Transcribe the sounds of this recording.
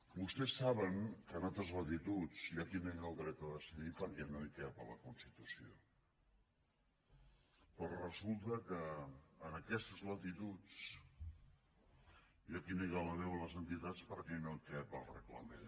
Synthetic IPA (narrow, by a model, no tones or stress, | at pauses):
bust̪ɛsːaβəŋkənalˠt̪ɾəzlət̪it̪ut͡sjakinɛŋəlˠd̪ɾɛt̪əðəsəɣipəɾkɛnok̪ɛpələkunst̪it̪usio | pɾɔrəzulˠt̪əkəːnəkɛst̪əzlət̪it̪ut͡s | iakineɣələðɛwələzənt̪it̪at͡spəɾkɛnolk̪ɛpəlˠrə̰klə̰men